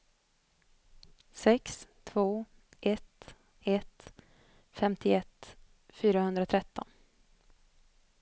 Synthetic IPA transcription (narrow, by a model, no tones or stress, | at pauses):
sɛkst̪ʰvoː | ʔɛt̪ | ɛt̪ | fɛmt̪ʰɪɛt̪ | fyːɾahɵnd̪ɾaɔt̪ʰɾɛt̪ːɔn